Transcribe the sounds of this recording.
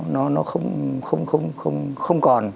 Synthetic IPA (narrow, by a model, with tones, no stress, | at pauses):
nɔ˨˦nɔ˨˦xə˧wŋ͡mxə˧wŋ͡mxə˧wŋ͡mxə˧wŋ͡mxə˧wŋ͡mkɔ˨˩n